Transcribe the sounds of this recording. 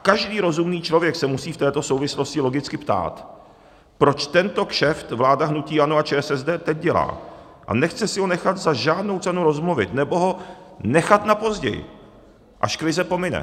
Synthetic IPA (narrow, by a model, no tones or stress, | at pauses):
kaʒdiːɾo̞zumniːt͡ʃlo̞vjɛksɛmusiːft̪ɛːt̪o̞sowvɪslo̞scɪlo̞ɡɪt͡skɪpt̪a̰ːt̪ | pɾo̞t͡ʃt̪ɛnt̪o̞kʃɛft̪vlaːdaɦnuciːʔanoat͡ʃɛːɛsɛzdɛːt̪ɛɟ̚ɟɛla̰ː | ʔa̰nɛxt͡sɛsɪɦo̞nɛxat̪zaʒaːdno̞wt͡sɛnuɾo̞zmluvɪ̰t̪nɛbo̞ɦo̞ | nɛxat̪napo̞zɟɛ̰jɪ̰ | ʔaʃkɾɪzɛpo̞mɪnɛ̰